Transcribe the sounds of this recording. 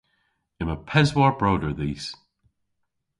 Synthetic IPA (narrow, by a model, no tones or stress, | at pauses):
ɪməpʰɛzwɔɹb̥ɹoːdə˞ðiːs